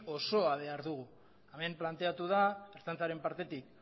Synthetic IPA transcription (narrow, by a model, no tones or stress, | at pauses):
o̞so̞aβe̞aɾðuɣ̞u | ame̞mplant̪e̞at̪uð̞aeɾt͡sant͡saɾe̞mpaɾt̪e̞t̪ik̚